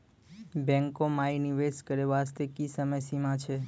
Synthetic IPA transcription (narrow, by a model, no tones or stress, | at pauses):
bɛ̃ŋkomainiʋeskəɾeʋast̪ekisəməjsimãt͡ʃʰe